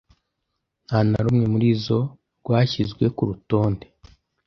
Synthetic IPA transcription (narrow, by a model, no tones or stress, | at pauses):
n̥haːna̰ɾumŋe̞muɾiːzo̞ | ɾɡwaːçizɡwe̞kuɾuto̞ːnde